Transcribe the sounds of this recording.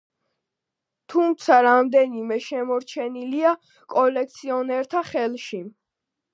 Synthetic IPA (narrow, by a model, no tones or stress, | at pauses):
t̪ʰumt̪sʰaɾamd̪ɛnimɛʃɛmɔɾt͡ʃʰɛnilia | kʼɔlɛk̚ʰt̪sʰiɔnɛɾt̪ʰaχɛlˠʃi